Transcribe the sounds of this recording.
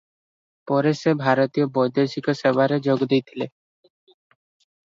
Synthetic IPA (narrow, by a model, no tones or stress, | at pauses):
pɔɾeʃebʱaɾot̪ijobɔjd̪esikoʃebaɾed͡ʑoɡd̪ejt̪ʰile